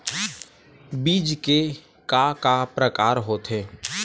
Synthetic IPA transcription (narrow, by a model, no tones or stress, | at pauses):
biːd͡ʒke | kakapɾəkaːɾɦoːt̪ɦeː